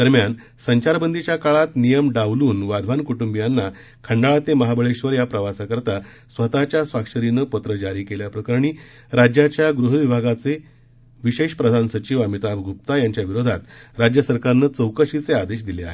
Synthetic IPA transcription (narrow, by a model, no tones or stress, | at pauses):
d̪̥əɾmjan | səɲt͡ɕaɾbənd̪ʱit͡ɕjakaɭat̪nijəmɖaʋluːnʋad̪ʱʋankuʈumbijanːa | kʰəɳɖaɭat̪eməɦabəɭeɕʋəɾjapɾəʋasakəɾt̪a | sʋət̪at͡ɕjasʋakʂəɾinəpət̪ɾəd͡ʑaɾiːkeljapɾəkəɾɳ̃iː | ɾad͡ʑjat͡ɕjaɡɾuɦəʋibʱaɡat͡se | ʋiɕeɕpɾəd̪ʱansət͡ɕiʋamit̪abɡʱup̚t̪ajaɲt͡ɕjaʋiɾod̪ʱa̰t̪ɾad͡ʑjəsəɾkaɾnət͡səwkəɕit͡sead̪eɕ̬d̪ilea̰ɦḛ